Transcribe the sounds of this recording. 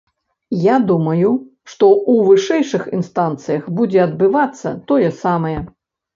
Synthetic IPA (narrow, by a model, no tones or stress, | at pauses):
jad̪umɐju | ʂt̪ɔuvɨʂɛjʂɨxinst̪ant̪sɨjɐxbud͡zʲɛɐd̪bɨvat̪sːɐ̰t̪ɔjɛsamɐjɛ